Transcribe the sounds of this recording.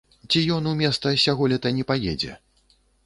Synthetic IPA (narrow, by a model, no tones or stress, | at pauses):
t͡sʲijɔnumʲɛst̪sɐsʲaɣɔlʲɛt̪ɐnʲɛpajɛ̰d͡zʲɛ̰